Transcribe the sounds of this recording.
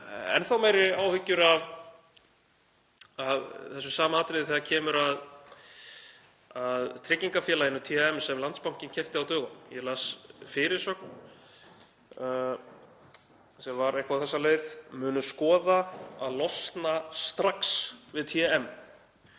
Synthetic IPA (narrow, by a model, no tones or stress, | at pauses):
ɛ̰nθawmejɾɪaːwhʏcːʏɾav | aðθɛs̬ʏsaːmaaːt̪ɾejðɪθɛðacʰɛːmʏɾað | aðt̪ʰɾɪcːiŋkafjɛːlajɪnʏt̪ʰiɛɛmsɛmlant̪spawŋ̥cɪncʰɛft̪ɪawt̪œːɣʏmjɛlasfɪɾɪɾ̥sœkn | sɛmvaɾɛjhkawθɛsːaleːjðmʏːnʏskɔːðaaðlɔst̪nast̪ɾaksvɪðt̪ʰiɛɛm